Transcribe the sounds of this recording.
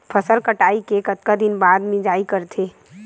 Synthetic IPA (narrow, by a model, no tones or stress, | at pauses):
pʰəsəlkəʈaːikekət̪̚kad̪ɪnbad̪mẽd͡ʒaːikəɾt̪ʰe